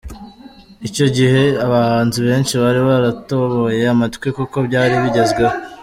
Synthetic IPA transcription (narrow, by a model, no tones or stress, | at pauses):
ico̞ɟihe̞aβahaːntuβe̞ːnʃiβaɾiβaɾato̞βo̞je̞amatkwekuko̞bɟaːɾiβiɟe̞zɡweho